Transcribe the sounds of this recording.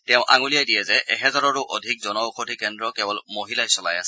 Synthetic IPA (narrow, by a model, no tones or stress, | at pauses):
tɛʊ̃ʔa̰ŋulijajdiɛzɛʔɛ̰ɦɛzaɹɔɹʊʔodʱik̚zɔnɔuxʰodʰʱikɛndɹɔkɛbɔlmoɦilasɔlajasɛ